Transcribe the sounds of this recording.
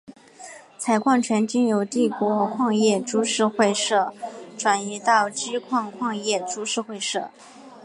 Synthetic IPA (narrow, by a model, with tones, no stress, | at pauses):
t͡sʰa˧˩ɪkʰwɑ˥˩ŋt͡ɕʰɥɛ˧˥nt͡ɕi˥njo˧˩ʊt̪i˥˩kwɔ˧˥kʰwɑ˥˧ŋjɛ˥˩ʈ͡ʂu˥ʂɻ̩˥˧xwe˥˧ɪʂɤ˥˩ʈ͡ʂwa˨˩ni˧˥t̪ɑ˥˩ʊt͡ɕi˥kʰwɑ˥˧ŋkʰwɑ˥˧ŋjɛ˥˩ʈ͡ʂu˥ʂɻ̩˥˧xwe˥˧ɪʂɤ˥˩